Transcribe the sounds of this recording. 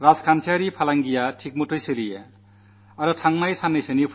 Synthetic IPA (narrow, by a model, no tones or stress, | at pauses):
ɾad͡zkʰant͡ʃʰaɾipʰalaŋɡijaʈʰik̚motʰojselije | ʌɾʌʈʰaŋmajsanːesenipʰ